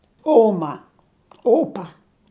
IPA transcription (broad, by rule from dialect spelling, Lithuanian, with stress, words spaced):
ˈoːmɐ ˈoːpɐ